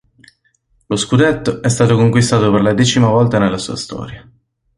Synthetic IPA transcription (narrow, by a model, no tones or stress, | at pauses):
loskud̪et̪ːoɛst̪aːt̪okoŋkwist̪aːt̪operlad̪ɛːt͡ʃimavɔlt̪anelːasṵːast̪ɔ̰ːɾja